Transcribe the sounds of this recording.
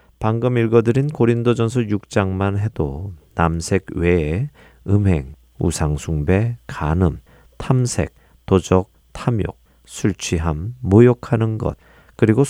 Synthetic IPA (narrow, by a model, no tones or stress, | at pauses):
paŋɡɯmiɭɡʌdɯɾinkoɾindod͡ʑʌnsʰʌjuk̚t͡ɕ͈aŋmanɦe̞donamsʰe̞ɡwe | ɯmɦe̞̰ŋ | ṵsʰaŋsʰuŋbe̞kanɯm | tʰamsʰe̞̰k̚ | tod͡ʑʌk̚ | tʰamjo̰k̚ | sʰuɭt͡ɕʰiɦamːojʌkʰanɯnɡʌ̰t̚ | kɯɾiɡo